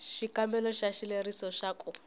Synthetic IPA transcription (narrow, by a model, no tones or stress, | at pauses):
ʃikambɛlɔʃaʃilerisɔʃakʼu